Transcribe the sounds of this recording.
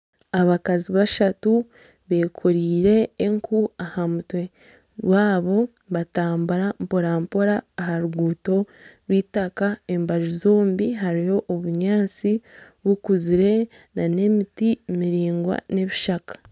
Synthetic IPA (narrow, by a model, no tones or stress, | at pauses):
aβakaziβaʃatu | βe̞kʰoɾiːɾe̞ːŋkʰuahamutwe̞ | βaːβo̞ | βataːmbuɾampoɾaːmpoɾaːɦaɾuɡuːto̞ | ɾwiːtakae̞mbaʒizo̞ːmbiɦaɾijo̞ʔːβuɲaːt͡si | βukuziɾe̞ | nane̞mitimiɾiːŋɡwa̰ne̞βiʃakḁ